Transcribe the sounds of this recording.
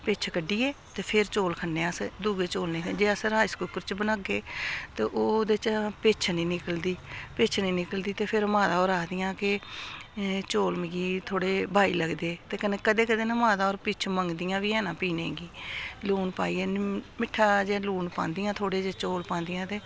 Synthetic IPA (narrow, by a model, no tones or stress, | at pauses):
peːt͡ʃʰkəɖiːeːt̪eːpʰɪɾt͡ʃoːlkʰənːeːəsd̪uːɡeːt͡ʃoːlnẽːd͡ʒeːəsɾaːiskuːkəɾt͡ʃbənaːɡeːt̪eːʔoːd̪et͡ʃpeːt͡ʃʰnĩːnɪkəld̪iːpeːt͡ʃʰnĩːnɪkəld̪iːt̪eːpʰɪɾmãːd̪aːoːɾaːd̪ɪjãːkɪ | t͡ʃoːlmɪɡiːt̪ʰoːɽeːbʱaːḭːləɡd̪eːt̪eːkəneːkəd̪eːkəd̪eːnãmãːd̪aːoːɾpiːt͡ʃʰməŋɡd̪ɪjãːʋiːɛːnãːpiːnḛ̃ːɡiːluːnpaːiːeːnmɪʈʰːaːd͡ʒẽːluːnpã̰ːnd̪ɪjãːt̪ʰoːɽeːd͡ʒeːt͡ʃoːlpãːnd̪ɪjãːt̪eː